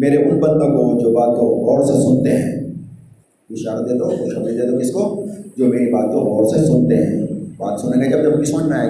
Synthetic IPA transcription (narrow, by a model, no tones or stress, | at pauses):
meːɾeʔʊlbɐnd̪ãkod͡ʒoːbaːt̪̚koɦɔːɾsesʊnt̪eɦɛ̃ː | ɪʃaːɾad̪eːt̪oɔːɾkoʃɐmlid̪eːt̪okɪskod͡ʒoːmeːɾibaːt̪̚koɦɔːɾsesʊnt̪eɦɛ̰̃ːbaːt̪sʊnenẽkiɐbd͡ʒɐb̚kɪsmɐnnaːe